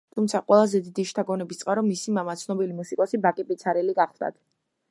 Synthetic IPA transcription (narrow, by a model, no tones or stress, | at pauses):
t̪ʰumt̪sʰaqʼwɛlˠazɛd̪id̪iʃt̪ʰaɡɔnɛbist̪sʼqʼaɾɔmisimamat̪sʰnɔbilimusikʼɔsibakʼipʼit̪sʰaɾɛliɡaχlˠd̪a̰t̪ʰ